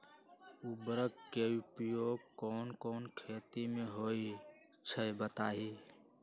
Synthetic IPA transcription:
ubɾəɡkeupjoːɡ̚kɔːnkɔːnkʰeːt̪imẽɦoi | t͡ʃʰəjbət̪aːɦi

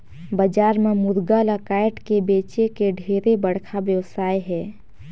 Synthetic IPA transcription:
bəd͡ʒaːɾmẽmʊɾɡaləkaːɪʈkebeːt͡ʃekeɖʱeːɾebəɽ̤kʰabjəʋwsaːjɦɛː

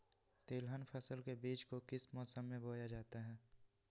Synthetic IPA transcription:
t̪eːlɦənpʰəsəlkebiːt͡ʃkokɪsmɔːsəmːẽbʱoːjad͡ʒaːt̪eɦɛ̃ː

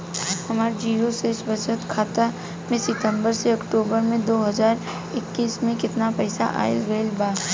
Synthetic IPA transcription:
hɐmaːɾd͡ʒiːɾoseːsbəsət̪kʰaːt̪a | mẽsɪt̪ə̃mbəɾseɐkʈoːbəɾmẽd̪oːɦɐzaːɾ | ɪkːiːsmẽkɪt̪napɛɪsa̰ʔa̰ːɪ̰zɡeːlbaː

